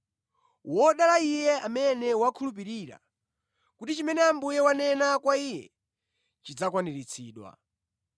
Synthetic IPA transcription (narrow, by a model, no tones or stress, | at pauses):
wɔɗalaijɛamɛnɛwakʰulup̬iɾiɾa̰ | kutit͡ʃimɛnɛambujɛwanɛnakwaijɛ̰ | t͡ʃid͡zakwaniɾit͡sʰḭːɗwa̰